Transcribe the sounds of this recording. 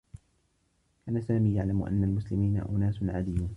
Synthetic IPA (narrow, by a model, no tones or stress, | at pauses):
kaːnasaːmiːjaʕlamʔa̰nːalmʊslɪmiːna̰ʔʊnaːsʊnʕaːd̪ɪjːuːn